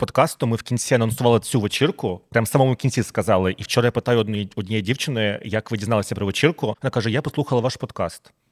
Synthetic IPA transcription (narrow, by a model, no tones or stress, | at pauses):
pɔd̪kɑst̪ʊmɪwkʲinʲt͡sʲiɐnɐnsʊʋɑlˠɪt͡sʲuʋet͡ʃɪrkʊpɾʲamsamɔmʊkʲinʲt͡sʲiskɐzɑlˠɪʔiwt͡ʃɔɾɐjapɪt̪ɑjʊɔdʲnʲijidʲiwt͡ʃɪnɪjɐkʋɪdʲiznɑlˠɐsʲɐpɾɔʋet͡ʃirkʊɔnakaʐɛjapɔslˠuxɐlˠɐʋaʃpɔd̪kɑ̰st̪